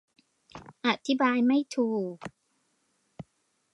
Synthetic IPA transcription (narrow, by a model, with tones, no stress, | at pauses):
ʔa˨˩t̪ʰːi˦˥baː˧jma˥˩jt̪ʰuː˨˩k